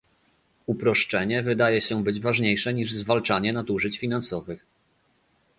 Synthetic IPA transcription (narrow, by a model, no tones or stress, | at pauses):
upɾɔʂt͡ʂɛɲɛvɘd̪ajɛɕɛbɘd͡ʑvaʐɲejʂɛɲiʐzvalt͡ʂaɲɛnat̪uʐɘt͡ɕfʲin̪ansɔvɘx